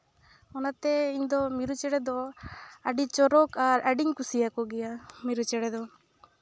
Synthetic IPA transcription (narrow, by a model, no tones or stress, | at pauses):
ɔnat̪ɛiɲd̪ɔmiɾut͡ʃɛɽɛd̪ɔɐɖit͡ʃɔɾɔkaɾaɖiŋkusijakɔɡɛjamiɾut͡ʃɛɽɛd̪ɔ